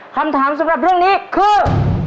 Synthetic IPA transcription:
kʰa˧mt̪ʰaː˩˦msa˨˩˦mɾa˨˩p̚ɾɯ˥˩ŋniː˦˥kʰɯː˧˩

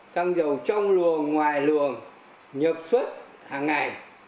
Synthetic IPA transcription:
saː˧ŋzə˨˩wt͡ɕɔ˧wŋ͡mlɨ˨˩əŋːwaː˨˩jlɨ˨˩əŋ | ɲə˨˩p̚swə˦˥t̚ | haː˨˩ŋːa˨˩j

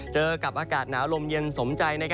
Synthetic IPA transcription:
t͡ɕɤː˧ka˨˩p̚ʔaː˧kaː˨˩t̪̚naː˩˦wlo˧mje˧nso˩˦mt͡ɕa˧jna˥˩kʰ

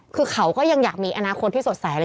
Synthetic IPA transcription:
kʰɯː˧kʰa˦wkɔː˥˩ja˧ŋjaː˨˩k̚miː˧ʔa˧naː˧xʰo˧t̪̚ʰiː˥˩so˨˩t̪̚saː˨˩˦ʔ

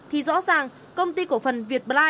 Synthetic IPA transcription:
t̪ʰi˨˩zɔ̰˧˥zaː˨˩ŋ | kə˧wŋ͡mt̪i˧ku˧˩əfə˨˩nvi˨˩ət̚ɓaː˧

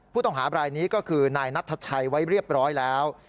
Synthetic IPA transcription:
ppʰuː˥˩t̪ɔ˥˩ŋɦaː˩˦bɾaː˧jniː˦˥kɔː˥˩kʰɯː˧naː˧jna˦˥t̪ʰːa˧t͡ɕʰa˧jwa˦˥jɾi˥˩əp̚ɾɔː˦˥jlɛː˦˥w

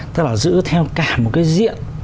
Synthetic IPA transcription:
t̪ə˦˥k̚laː˨˩zɨ̰˧˥t̪ʰɛ˧wkaː˨˩mo˨˩t̚kaː˨˦jzḭ˧˨ən

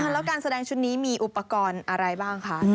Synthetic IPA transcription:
lɛ˦˥wkaː˧nsa˧dɛː˧ŋt͡ɕʰu˦˥t̪̚niː˦˥miː˧ʔu˨˩pːa˧kɔː˧nʔa˧ɾa˧jbaː˥˩ŋkʰa˦˥

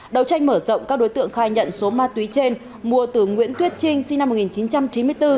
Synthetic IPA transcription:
ɗə˨˩wt͡ɕa˧jŋ̟məː˧˩zə̰˧˨wŋ͡mkaː˦˥k̚ɗo˨˦jt̪ɨ̰˧˨əŋxaː˧˩jɲə̰˧˨nso˨˦maː˧t̪wi˨˦t͡ɕe˧n | mu˨˩ət̪ɨ˨˩ŋwḭ˧˥ənt̪ʰwi˦˥t̚t͡ɕi˧ŋ̟si˧ŋna˧mːo˨˩t̚ŋi˨˩nt͡ɕi˨˦nt͡ɕa˧mt͡ɕi˨˦nmɨ˧əjt̪ɨ˧

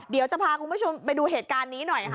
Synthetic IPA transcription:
di˨˦wt͡ɕa˨˩pʰaː˧kʰu˧nbʰo˧mpa˧jduː˧ɦeː˨˩t̪̚kaː˧nːiː˦˥nɔ˨˩j

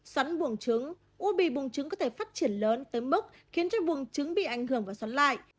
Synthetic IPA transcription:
swa˨˦nɓu˧˩əŋt͡ɕɨ˨˦ŋ | ʔu˧ɓi˧˨˩ɓu˨˩əŋt͡ɕɨ˨˦ŋkɔ˨˦t̪ʰe˧˩faː˦˥t̚t͡ɕi˧˩ənləː˨˦nt̪əː˨˦jmɨ˦˥k̚ | xi˨˦ənt͡ɕɔ˧ɓu˨˩əŋt͡ɕɨ˨˦ŋɓḭ˧˨ʔa˧˩jŋ̟hɨ˧˩əŋvaː˨˩swa˨˦nla̰ː˧˨jʔ

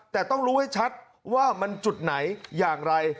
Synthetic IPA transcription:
t̪ɛː˨˩t̪ɔ˥˩ŋɾuː˦˥ha˥˩jt͡ɕʰa˦˥t̪̚ | waː˥˩ma˧nt͡ɕu˨˩t̪̚na˩˦jːaː˨˩ŋɾa˧j

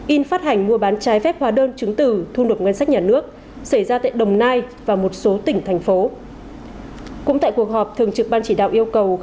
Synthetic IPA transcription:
ʔi˧nfaː˦˥t̚hɦa˨˩jŋ̟mu˧əɓaː˨˦nt͡ɕaː˨˦jfɛ˦˥p̚hwaː˨˦ɗəː˧nt͡ɕɨ˨˦ŋt̪ɨ˧˩t̪ʰu˧no˨˩t̚ŋə˧nsa˦˥k̚ɲaː˨˩nɨ˦˥ək̚ | sa˧˩jzaː˧t̪a̰ː˧˨jɗə˨˩wŋ͡mnaː˧jvaː˨˩mo˨˩t̚so˨˦t̪ï˧˩ŋ̟t̪ʰa˨˩jŋ̟fo˨˦ | kʊ̰˧˥ŋ͡mt̪a̰ː˧˨jku˨˩ək̚hɔ˨˩p̚t̪ʰɨ˨˩əŋt͡ɕɨ˨˩k̚ɓaː˧nt͡ɕi˧˩ɗa̰ː˧˨wʔi˧əwkə˨˩w

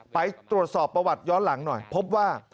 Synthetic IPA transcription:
pa˧jt̪ɾu˨˩ət̪̚sɔː˨˩pːɾa˧wa˨˩t̪̚jɔː˦˥nla˩˦ŋnɔ˨˩jpʰo˦˥p̚waː˥˩

